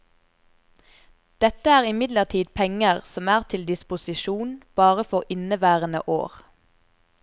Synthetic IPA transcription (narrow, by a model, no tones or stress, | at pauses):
d̪̥ɛt̪əæːʁɪmɪd̪ləʁt̪ʰiːd̪̚pʰɛŋəʁsɔmæːʁt̪ʰɪld̪ɪspʊsɪʃuːnb̥ɑːʁəfɔʁɪnəʋæːʁənə̰ʔo̰ːʁ